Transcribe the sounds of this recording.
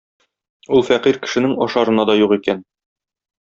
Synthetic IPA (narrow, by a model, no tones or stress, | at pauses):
ulˠfæqiɾkɘ̥̆ʃɘ̆nɘŋɒʃɑɾɤ̆nɑd̪ɒjuqikæn